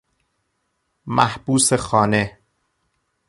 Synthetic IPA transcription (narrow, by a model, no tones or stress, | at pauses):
mʔæhb̥uːsexɒːne̞